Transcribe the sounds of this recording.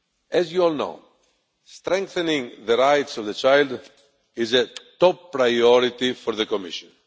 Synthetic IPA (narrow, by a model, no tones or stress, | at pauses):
ɛzjuɔlno̰ʊ | st̪ɾɛ̃ŋk̚θenĩŋðəɾajt̪sɔvðət͡ʃajld̪ | izet̪ɔpːɾajɔɾit̪ifɔɾðəkomiʃɔ̃n